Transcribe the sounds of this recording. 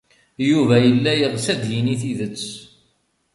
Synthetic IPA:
juvæjəlːæjəʁsæd̪jiniθiðət͡sː

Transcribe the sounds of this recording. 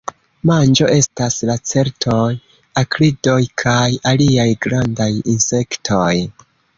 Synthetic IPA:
mand͡ʒo̞ʔe̞staslat͡se̞ɾtʰo̞j | akɾido̞jkʰajaliajɡɾandajinse̞ktʰo̞j

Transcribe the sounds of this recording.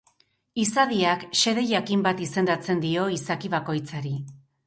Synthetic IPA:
isaðiakʃe̞ðe̞ʝakimbat̪ise̞nd̪at͡se̞nd̪io̞isakiβako̞jt͡saɾi

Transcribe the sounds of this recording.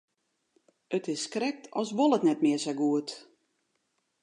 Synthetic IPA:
ətɪsːkrɛk̚tʰɔsʋolˠətnɛt̚mɪəsaɡuət

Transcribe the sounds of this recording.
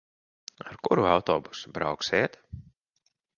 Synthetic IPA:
a̰ɾkuɾuawt̪ɔ̰ːbusu̥bɾawksiɛt̪

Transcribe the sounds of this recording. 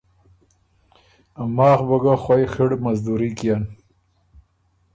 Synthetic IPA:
amaːxbɐɡaxwajxiɽmazd̪uɾikjan

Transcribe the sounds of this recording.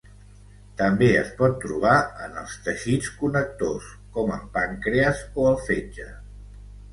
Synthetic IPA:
t̪əmbeəspɔt̪ːɾuβ̞aənəlˠst̪əʃit͡skunək̚t̪os | kɔməmpaŋkɾeəzoəlˠfed͡ʒə

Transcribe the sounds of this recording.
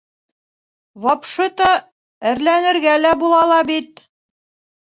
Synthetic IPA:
wɑpʃɤt̪ɑ | ɘ̆ɾlænɘ̆ɾɡælæbulˠɑlˠɑbit̪

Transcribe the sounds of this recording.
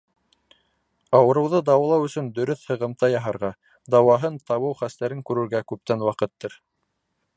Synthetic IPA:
ɑwɤ̆ɾɤ̆wðɤd̪ɑwɑlˠɑwɵ̆sɵnd̪ɵ̆ɾɵθhɤ̆ʁɤ̆mt̪ɑjɑɦɑɾʁɑ | d̪ɑwɑɦɤnt̪ɑβɤwχæst̪æɾɘŋkʉɾɘ̆ɾɡækʉp̚t̪ænwɑqɤt̪ːɤɾ

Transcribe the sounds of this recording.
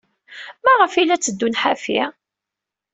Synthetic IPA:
mæʁəfilæt͡sːəd̪ːunħafi

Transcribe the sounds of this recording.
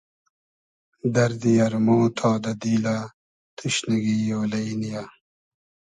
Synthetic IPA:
d̪ɐɾd̪ijɐɾmoːt̪ʰaːd̪ɐd̪iːla | t̪ʰuɕniɡijoːlɐjnija

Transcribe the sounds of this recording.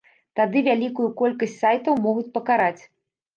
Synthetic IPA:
t̪ad̪ɨvʲalʲikujukɔlʲkɐsʲt͡sʲsajt̪ɐwmɔɣut͡sʲpɐkaɾat͡sʲ

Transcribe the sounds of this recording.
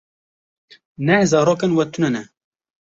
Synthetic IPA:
nɛzɑːɾoːkɛnwɛt̪ʰunɛnɛ

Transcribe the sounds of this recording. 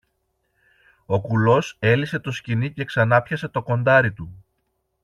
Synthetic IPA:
o̞kulo̞se̞lise̞t̪o̞scinice̞ksɐnɐpçɐse̞t̪o̞ko̞nd̪ɐɾit̪u

